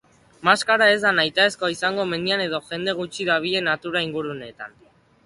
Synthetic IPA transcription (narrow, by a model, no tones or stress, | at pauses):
maskaɾae̞zd̪anajt̪aeskoaisaŋɡo̞me̞niane̞ðo̞ʝe̞nd̪e̞ɣ̞ut͡ʃiðaβ̞iʎe̞nat̪uɾaiŋɡuɾune̞t̪a̰n